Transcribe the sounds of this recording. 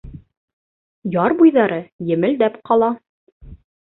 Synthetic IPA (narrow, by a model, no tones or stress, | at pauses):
jɑɾbujðɑɾɤjɘ̆mɘ̆ld̪æpqɑlˠɑ